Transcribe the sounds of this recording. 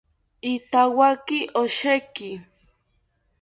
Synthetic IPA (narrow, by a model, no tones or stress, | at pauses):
it̪awakiʔoʃeki